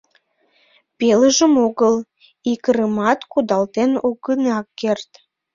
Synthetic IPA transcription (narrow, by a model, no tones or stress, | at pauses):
peləʒəmoɣəl | ikəɾəmɑt̪kud̪ɑlt̪enoɣənɑkːert̪